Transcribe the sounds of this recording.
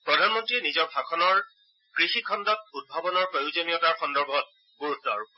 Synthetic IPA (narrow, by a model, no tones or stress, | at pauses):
pɹɔdʱanmɔntɹiɛnizɔɹbʱakʰɔnɔɹ | kɹixikʰɔndɔt̚ud̚bʱabɔnɔɹpojzonijɔtaɹxɔndɔɹbʱɔt̚ | ɡuɹutːɔa̰ɹʊ